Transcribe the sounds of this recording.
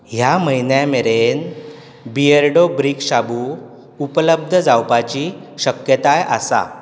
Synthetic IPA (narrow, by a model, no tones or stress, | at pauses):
ɦjaməinjãmeɾen | bieɾɖobɾikɕabu | upələb̚d̪ʱəd͡zawpat͡ɕiɕəkjət̪ajə̰sa̰